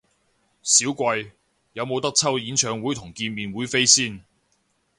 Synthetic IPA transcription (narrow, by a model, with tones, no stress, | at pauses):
siː˨˥wkʷɐ˧j | jɐ˨˧wmo˨˧wt̪ɐ˥k̚t͡sʰɐ˥wjiː˨˥nt͡ʃʰœː˨˧ŋwuː˨˥jt̪ʰʊ˨˩ŋkiː˧nmiː˨nwuː˨˥jfe˥jsiː˥˩n